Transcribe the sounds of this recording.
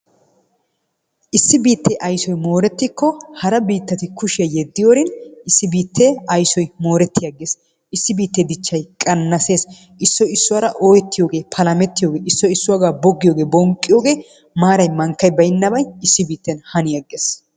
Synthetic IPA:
ʔɪsːɪbiːt̪ːeʔɐjsɔjmo̞ːɾɛt̪ːɪkːɔhɐɾɐbiːt̪ːɐt̪ɪkʊʃɪɐjɛd̪ːɪjoːɾɪnɪsːɪbiːt̪ʰːeɐjsɔjmo̞ːɾɛt̪ːɪjɐɡːeːs | ʔɪsːɪbiːt̪ːed̪ɪt͡ʃːɐjkʼɐnːɐse̞ːs | ʔɪsːɔɪsːʊwɐɾɐʔoːjɛt̪ːɪjo̞ːɡe̞ːpʰɐlɐmɛt̪ːɪjo̞ːɡe̞ːɪsːɔɪsːʊwaːɡaːbɔɡːɪjo̞ːɡe̞ːbɔŋkʼːɪjo̞ːɡe̞ː | maːɾɐjmɐŋkːɐjbɐjɪnːɐbɐjɪsːɪbiːt̪ːɛnhɐnɪjɐɡeːs

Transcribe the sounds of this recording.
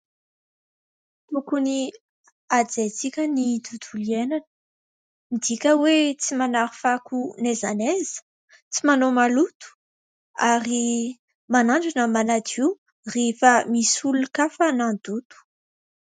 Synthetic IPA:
t̪ukuni | ad͡zet͡sikʲənid̪ud̪ulienanə | mid̪ikʲəwet͡simanaɾi̥fakunezanezə̥ | t͡simanomalut̪u̥ | aɾi | manaɳd͡ʒanəmanat̪ʰiw | refəmisulukafanand̪̥ut̪u̥

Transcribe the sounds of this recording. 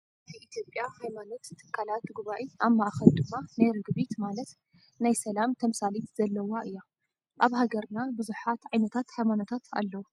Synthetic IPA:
zɐjʔit̪ʰijopʼjahajmanot̪ːʰɨ̥kʰːalat̪ɡuβaʔiamːaʔaxɐld̪ɨmːanajɾɨɡbit̪malɐt̪ | najsɐlamt̪ʰɐmsalit̪z̥ɐlːɐwaʔɨjːa | ʔaβhaɡɐɾnabɨzuħat̪ʕajnɐt̪ʰat̪hajmanot̪ʰat̪a̰lːɐwu

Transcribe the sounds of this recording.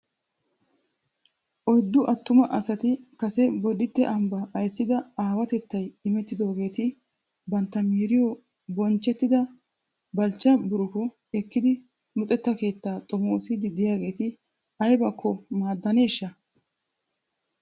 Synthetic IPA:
ʔɔjd̪ːʊʔɐt̪ːʊmɐʔɐsɐt̪ɪkɐsɛbɔd̪ɪt̪ːɛʔɐmbɐʔːjsːɪd̪ɐaːwɐt̪ɛt̪ːɐjɪmɛt̪ːɪd̪o̞ːɡe̞ːt̪ɪ | bɐnt̪ːɐmiːɾɪjɔ | bɔnt͡ʃːɛt̪ːɪd̪ɐ | bɐlt͡ʃːɐbʊɾʊkɔ | ɛkːɪd̪ɪ | nʊt̪ʼɛt̪ːɐke̞ːt̪ːaːt̪ʼɔmoːsɪd̪ɪd̪ɪjaːɡe̞ːt̪ɪ | ɐjbɐkʰːɔmaːd̪ːɐne̞ːʃːɐ

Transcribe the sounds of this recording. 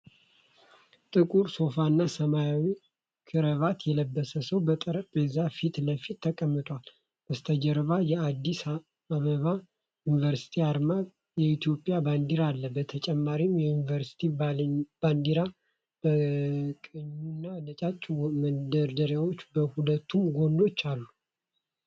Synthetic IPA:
t̪ʼɨkʼuɾso̞fanːasəmajawi | kʰɨɾəβat̪jɛləbːəsəsəwbət̪ʼɾʼezafit̪ləfit̪ʰːəkʼəmːɨt̪ʼwal | bəst̪ʰəd͡ʒəɾβajɛad̪ːis | aβəβa | junivəɾsi̥t̪ʰiaɾma | jɛit̪ʰjo̞pʼjaband̪iɾalːəbət̪ʰət͡ʃʼɛmːaɾimjɛjunivəɾsi̥t̪ʰib̥and̪iɾa | b̥əkʼəɲːunːalət͡ʃʼat͡ʃʼːwməd̪əɾd̪əɾjawo̞t͡ʃːbəhulət̪ʰːumɡo̞nd̪o̞t͡ʃːalːu

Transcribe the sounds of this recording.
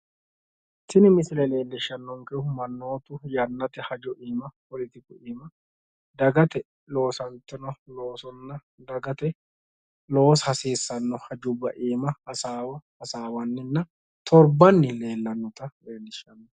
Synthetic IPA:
sɪnɪmɪsɪlɛle̞ːlːɪʃːɐnːɔŋkɛʊmɐnːo̞ːt̪ʊjɐnːɐt̪ɛhɐd͡ʒɔʔiːmɐpɔlɪt̪ɪkʊʔiːmɐ | d̪ɐɡɐt̪ɛ | lo̞ːsɐnt̪ːɪnɔlo̞ːsɔnːɐ | d̪ɐɡɐt̪ɛ | lo̞ːshɐsiːsːɐnːɔhɐd͡ʒʊbɐʔiːmɐhɐsaːwɐhɐsaːwɐnːɪnːɐ | t̪ʰɔɾbɐnːɪle̞ːlːɐnːɔt̪ɐle̞ːlːɪʃɐnːɔ

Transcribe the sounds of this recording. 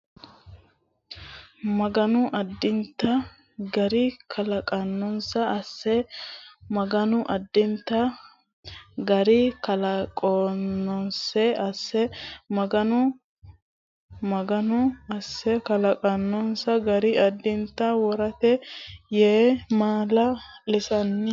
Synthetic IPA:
mɐɡɐnʊʔɐd̪ːɪnt̪ːɐ | ɡɐɾɪkʰɐlɐkʼɐnːɔnsɐːsːɛ | mɐɡɐnʊʔɐd̪ːɪnt̪ːɐ | ɡɐɾɪkɐlɐkʼonːɔnsɛɐsːɛmɐɡɐnʊ | mɐɡɐnʊɐsːɛkɐlɐkʼɐnːɔnsɐɡɐɾɪɐd̪ːɪnt̪ːɐwɔɾɐt̪ɛjeːmaːlɐlɪsɐnːɪ

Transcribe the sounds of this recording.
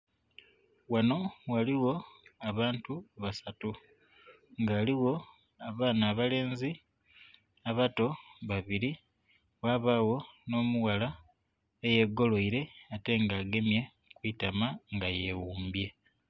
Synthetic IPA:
wano̞waliwo̞aβaːntuβasatu | ŋɡaːliwo̞ | aβaːnaːβale̞ːnzi | aβato̞βaβiɾi | waːβaːwo̞no̞ːmuwala | eje̞ɡo̞lo̞iɾe̞ate̞ŋɡaːɡe̞mje̞ | kwitamaŋɡaje̞wuːmbje̞

